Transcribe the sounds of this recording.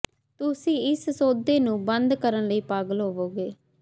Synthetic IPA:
t̪ʊsĩːɪssoːd̪eːnũːbənd̪kəɾənləiːpaːɡəlɦoːʋoːɡeː

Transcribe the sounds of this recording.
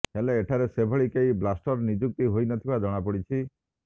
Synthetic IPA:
ɦeleːʈʰaɾesebʱɔɭikeiblasʈɔɾnid͡ʒuk̚t̪iɦojnɔt̪ʰibad͡ʒɔɽ̃apɔɽit͡ʃʰi

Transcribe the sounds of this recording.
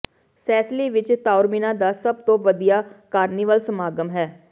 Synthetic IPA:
sʰɛːsliːʋɪt͡ʃt̪aːʊɾminãːd̪aːsəb̚t̪õːʋəd̪ijaːkaːɾniːʋəlsəmaːɡəmɦɛː

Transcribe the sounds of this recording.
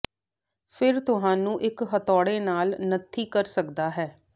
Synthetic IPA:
pʰɪɾt̪ʊɦãːnũːʔɪkɦət̪ɔːɽeːnaːlnət̪ʰːiːkəɾsəkd̪aːɦɛː

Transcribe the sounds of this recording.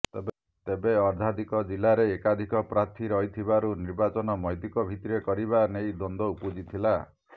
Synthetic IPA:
t̪ebeɔɾd̪ʱad̪ʱikɔd͡ʒilaɾeːkad̪ʱikɔpɾaɾt̪ʰiɾɔɦit̪ʰibaɾuniɾbat͡ʃɔnɔmɔjt̪ikɔbʱit̪iɾekɔɾiβanejd̪ɔnd̪ɔupud͡ʒit̪ʰila

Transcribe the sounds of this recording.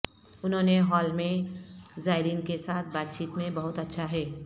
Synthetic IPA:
ʊnɦõneɦɔːlmẽzaːɪɾiːnkesaːt̪ʰbaːt̪̚t͡ʃiːt̪mẽbɐɦʊt̪ɐtːʃʰaɦɛː

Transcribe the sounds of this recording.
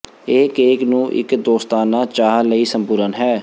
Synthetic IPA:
eːkeːknũːʔɪ̰kd̪oːst̪aːnaːt͡ʃaːɦləiːsəmpʊɾənɦɛː

